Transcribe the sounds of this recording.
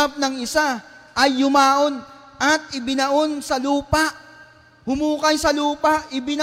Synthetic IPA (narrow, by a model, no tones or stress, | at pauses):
p̚nɐŋɪsaʔɐjːʊmaːʔo̞n | ʔɐt̪̚ɪbɪnɐʔo̞nsɐluːpaʔ | hʊmuːkɐjsɐluːpaʔɪbɪn